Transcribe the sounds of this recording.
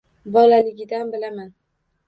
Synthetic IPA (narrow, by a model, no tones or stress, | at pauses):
bɒlalɪɡʲɪd̪anbɪlaman